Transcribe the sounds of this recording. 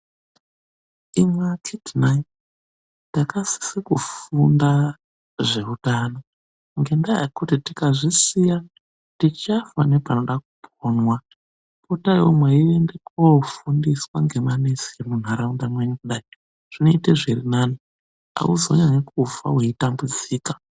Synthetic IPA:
imwakʰidnan | dakasi̥sikufunda | ʐe̞utaːno | ŋɡe̞ndaja̰kutitikaʐisija | tit͡ʃafanepano̞ɗak̚u̥pʰonwa | potajomweiʋendekofundiswaŋɡe̞manesiemun̤aɾaundamweɲukuɗai | ʐ̥inoiteʐirinaːni | a̰uzo̞̰ɲaɲekufa̰weitambud͡ziːkḁ

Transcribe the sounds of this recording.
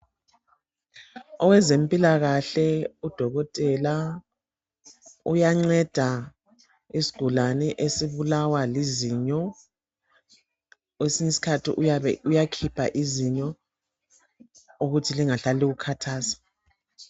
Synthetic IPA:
ɔwɛzempʼilaɣaɬɛud̥ʱɔɣɔtʼɛla | ujaŋ͡ǀɛd̥ʱa | isi̥ɡ̥ʱulanɛʔesiβulawaliziɲɔ | wesiɲɛsi̥kʰatʰiʔujakʰipʰa̰ʔiziɲɔ | uɣutʰiliŋaɬaliɣukʰatʰaːsḁ

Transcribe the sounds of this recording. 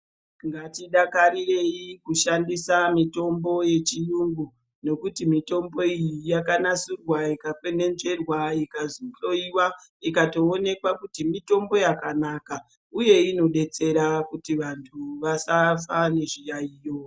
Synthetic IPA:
ŋɡatiɗakaɾire̞ikuʃandisamito̞mbo̞je̞t͡ʃijuŋɡu | no̞kutimito̞mbo̞ijijakanasurwaikapwe̞ne̞nʐe̞rwaikaziɬo̞iwa | ikato̞ːne̞kwakutimito̞mbo̞jakanaːka | uje̞ino̞ɗe̞t͡se̞ɾakutiʋantʰuʋasafane̞ʐijaiːjo

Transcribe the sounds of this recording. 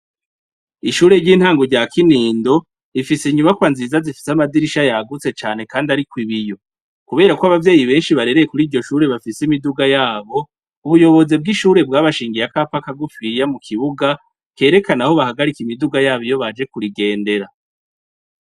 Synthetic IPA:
iʃuːɾe̞ɾɟiːn̥haːŋɡoɾɟaːkiniːndo̞ | ifiseɲumakwanziːzazifi̥samadiɾiʃajaɡut͡se̞t͡ʃaːn̥he̞kaːndiaɾikwiβijo̞ | kuβe̞ːɾakwoaβavje̞ːjiβe̞ːnʃiβaɾe̞ɾe̞jekuɾiːɾɟo̞ʃuːɾe̞βafisimiduɡajaːβo̞ | uβujo̞βo̞zeb̚ɡiʃuːɾe̞b̚ɡaːβaʃiːŋɡijakapakaɡufijamukʰiβuɡa | ke̞ːɾe̞kanahoβahaɡaɾikimiduɡajaːβijo̞βad͡ʒe̞kuɾiɡe̞ːnde̞ɾa

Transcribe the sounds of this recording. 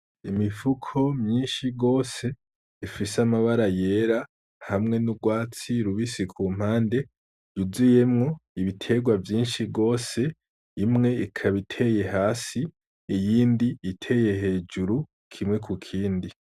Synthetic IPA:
imifukʰo̞mɲiːnʃiɡo̞ːse̞ | ifisamaβaɾaje̞ɾa | hamŋe̞nubɡwaːt͡siɾuβisikʰuːm̥haːnde̞ | juzije̞mŋo̞iβitʰe̞ɡwavjiːnʃiɡo̞ːse̞ː | mŋe̞ikʰaβitʰe̞je̞ɦaːsiː | jiːndiːtʰe̞je̞he̞ːd͡ʒuɾu | kʰimŋe̞kʰukʰiːndi

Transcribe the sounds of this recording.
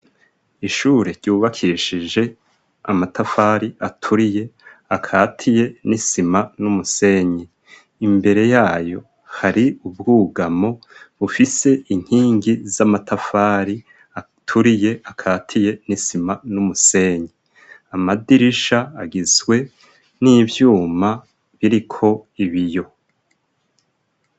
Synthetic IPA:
iʃuːɾeɾɟuːβakʰiʃid͡ʒe̞ | amatafaːɾiʔatʰuɾije̞akʰaːtʰije̞nisimanumuse̞ːɲe | imbe̞ɾe̞jaːjo̞ | haɾiub̚ɡuːɡamo̞ | βufise̞ʔiŋ̥hiːŋɡizamatʰafaːɾi | a | tʰuɾije̞akʰaːtʰije̞nisimanumuse̞ːɲe | amadiɾiʃaaɡizwe̞ | nivjuːma | βiɾikʰo̞iβijo̞

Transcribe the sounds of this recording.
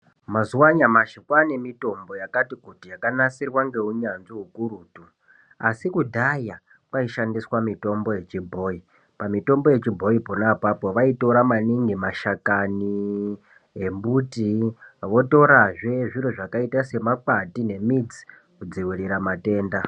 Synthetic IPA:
mazuwaɲamaʃikwane̞mito̞mbo̞jakatikutijakanasirwaŋɡe̞uɲanziɦukuɾuːtu | asikudʱaja | kwaiʃandiswamito̞mbo̞je̞t͡ʃibʱo̞ːi | pamito̞mbo̞je̞t͡ʃibʱo̞ipo̞napapo̞ʋaito̞ɾamaniŋɡimaʃakani | embutiʋo̞to̞ɾaʐe̞ʐiroʐakaitase̞makatine̞mid͡zi̥ | kud͡ziwiriɾamate̞ːnda

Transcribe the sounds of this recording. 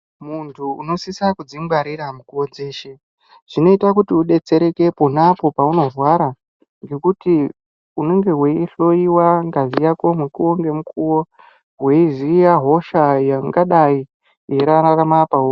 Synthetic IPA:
muntʰuːno̞sisakud͡zimbaɾiɾamukuod͡ze̞ːʃe | ʐ̥ino̞itak̬utiuɗe̞t͡se̞ɾe̞ke̞ponapo̞pauno̞rwaɾa | ŋɡe̞kuti | une̞ŋɡe̞ɦweiɬo̞iwaŋɡazijako̞mwekuwoŋɡe̞mukʰuwo | ɦweizijaɦo̞ʃajaŋɡaɗai | jeɾararamapao

